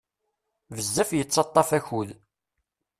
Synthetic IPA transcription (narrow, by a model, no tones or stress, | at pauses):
vəzːæfjət͡sːɑt̪ˤːɑfæçul